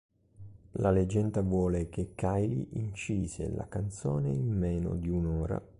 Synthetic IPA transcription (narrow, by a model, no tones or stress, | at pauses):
laled͡ʒɛnd̪avwɔːlekekːajliʔint͡ʃiːzḛla̰kant̪soːneimmɛːno̰d̪iunɔːɾa̰